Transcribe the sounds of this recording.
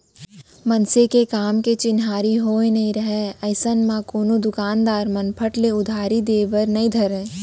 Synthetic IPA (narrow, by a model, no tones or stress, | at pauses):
mɐnsekekaːmket͡ʃɪnɦaːɾiɦoːenɐɦĩɾɐɦeɐɪsənmãkoːnod̪ʊkaːnd̪aːɾmɐnpʰəʈleʊd̪ʱaːɾid̪eːʋəɾnɐĩd̪ʱɐɾẽː